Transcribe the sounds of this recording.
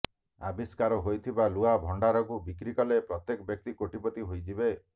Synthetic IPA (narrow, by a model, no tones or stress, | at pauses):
a̰biskaɾɔɦojt̪ʰibaluabʱɔɳɖaɾɔkubikɾikɔlepɾɔt̪jekɔbjɔk̚t̪ikoʈipɔt̪iɦojd͡ʒibe